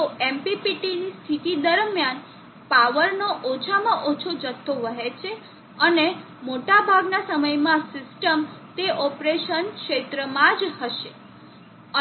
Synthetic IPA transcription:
t̪oempipiʈinist̪ʰit̪id̪əɾmjan | paʋəɾnoʔot͡ʃʰamãʔot͡ʃʰod͡ʒət̪ʰːoʋəɦet͡ʃʰe | əne | moʈabʱaɡnasəməjmãsɪsʈəmt̪eʔɔpɾeʃənkʃet̪ɾəmãd͡ʒhəʃe | ə

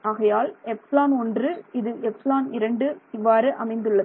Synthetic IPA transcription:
aːɣɐjaːlɛpsɐlaːnɔndrɯɪðɯʔɛpsɐlaːnɪɾɐɳɖɯɪʋːaːɾɯʔɐmɐɪnd̪ɯɭːɐð

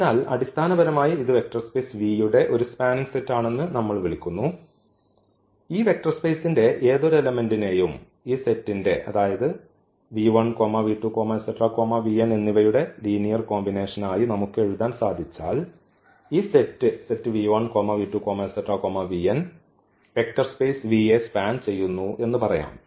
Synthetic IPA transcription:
naːlɐ̰ɽist̪ʰaːnɐbɐɾɐmaːjiiðɨʋe̞k̚ʈɐrspeːsʋiːjuɽe̞ʔo̞ɾuspaːniŋɡsetːaːɳe̞nːɨnɐmːɐɭʋiɭikʲːunːu | iːʋe̞k̚ʈɐrspeːsinde̞ʔe̞ːðo̞ɾue̞lɐme̞ndine̞ːjum | iːsetːinde̞ʔɐ̰ðaːjɐðɨ | ʋiːʋɐɳko̞ːmɐʋiːʈːuːko̞ːmɐeseʈraːko̞ːmaʋiːɐnenːiʋɐjuɽe̞liːnijɐrko̞ːmbine̞ːʂɐnaːjinɐmukːɨe̞ɻuðaːnsaːd̪ʱit͡ɕːaːl | iːsetːɨsetːɨʋiːʋɐɳko̞ːmɐʋiːʈːuːkoːmɐeseʈraːkoːmaʋiɐn | ʋe̞k̚ʈɐrspeːsʋiespaːnt͡ɕe̞jːunːuʔe̞nːɨpɐrɐja̰ːɳ

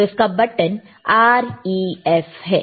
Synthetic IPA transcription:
eskabɐʈːən | aːɾiefɦɛ

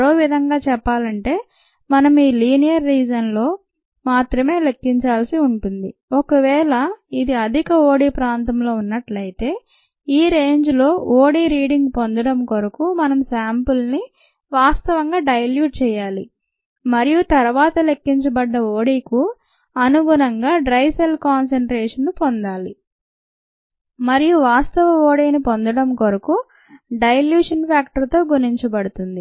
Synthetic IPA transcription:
oːʋid̪ʱɐŋɡaːt͡ʃɛpːaːlɐɳʈe̞ː | mɐnɐmiːliːnijɐɾːiːd͡ʒɐnlo̞ː | maːt̪ɾɐme̞ːle̞kːiɲt͡ʃaːlɐsiuɳʈund̪iɔkɐʋɛːɭɐid̪iɐd̪ʱikɐoːɽiːpɾaːnt̪ɐmlo̞ːunːɐʈlɐjit̪e̞ː | iːɾe̞ːɲd͡ʒlo̞ːʔoːɽiːɾiːɽiŋɡpond̪ɐɽɐmkoɾɐkumɐnɐmsaːmpulni | ʋaːst̪ɐʋɐŋɡaːɖɐjljuːʈ̚t͡ʃɛːjaːli | mɐɾijut̪ɐɾuʋaːt̪ɐle̞kːiɲt͡ʃɐbɐɖːɐoːɽiːku | ɐnuɡunɐŋɡaːɖɾɐjselkaːnseɳʈɾɛːʂɐnːupond̪aːli | mɐɾijuʋaːst̪ɐʋɐoːɽejnipond̪ɐɽɐmkoɾɐku | ɖɐjljuːʂɐnpjaːkʈɐɾt̪o̞ːɡuniɲt͡ʃɐbɐɽut̪und̪i

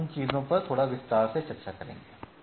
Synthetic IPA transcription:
nt͡ʃiːzõpɐɾt̪ʰoːɽaʋɪst̪aːɾset͡ʃɐɾt͡ʃʰakɐɾḛ̃ːŋɡeː

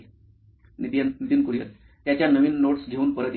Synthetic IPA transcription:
nit̪jənit̪iːnkuɾjə̰t̪ | t̪jat͡ɕjanəʋiːnːoʈsɡʱeuːnpəɾət̪

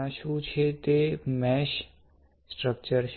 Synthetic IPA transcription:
aʃut͡ʃʰet̪emɛːʃ | sʈɾək̚t͡ʃəɾʃ

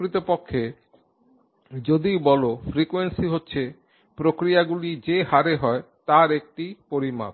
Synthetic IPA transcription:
ɾit̪opokʰːe | d͡ʑod̪ibɔlofɾikuwensiɦotːɕʰe | pɾokɾijaɡulid͡ʑeɦaɾeɦɔet̪aɾek̚ʈipoɾima̰

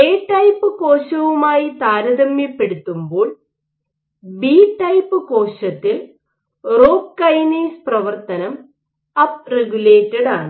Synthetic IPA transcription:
eːʈːɐjpːɨkoːɕɐʋumaːjit̪aːɾɐd̪ɐmjɐpːe̞ɽut̪ːumbo̞ːɭ | biːʈːɐjpːɨko̞ːɕɐt̪ːil | ro̞ːp̚kɐjniːsprɐʋɐrt̪ɐnɐm | ɐpreɡjuleːtːɐɽaːɳɨ

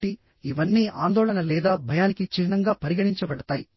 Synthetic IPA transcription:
ʈi | iʋɐnːiːaːnd̪ɔːɭɐnɐlɛːd̪aːbʱɐjaːnikit͡ʃiɾnɐŋɡaːpɐɾiɡɐɽiɲt͡ʃɐbɐɽɐt̪aːji

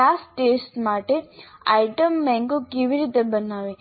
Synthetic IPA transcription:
asʈesʈmaʈea̰jʈəmːɛ̃ŋɡokeʋiɾit̪ebənaʋe

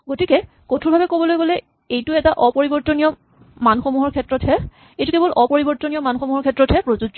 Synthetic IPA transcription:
ɡotikɛ | kotʰuɹbʱabɛkobɔlojɡolɛ | ejtʊɛtaʔɔpoɹibɔɹtɔnijɔ | manxomuɦɔɹkʰɛtɹɔtʰhɛ | ejtukebɔlʔɔpoɹibɔɹtɔnijɔmanxomuɦɔɹkʰɛtːɹɔtɦɛpɹozu

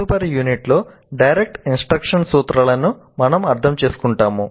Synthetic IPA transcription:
uːpɐɾijuniʈlo̞ː | ɖɐjɾek̚ʈinsʈɾɐkʂɐnsuːt̪ɾɐlɐnumɐnɐmɐɾt̪ʰɐmt͡ʃe̞ːsu̥kuɳʈaːmu

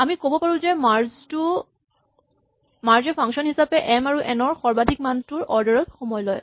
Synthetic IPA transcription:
amikobɔpaɹũzɛmaɹztʊ | maɹzɛpʰaŋʃɔnhisapɛʔɛmaɹuʔɛnɔɹxɔɹbadʱik̚mantʊɹʔɔɹdaɹɔt̚xɔmɔjlɔj

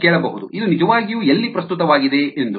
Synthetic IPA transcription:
keːɭɐbɐɦud̪uid̪unid͡ʒɐʋaːɡijuːelːipɾɐst̪ut̪̬ɐʋaːɡid̪e̞end̪u

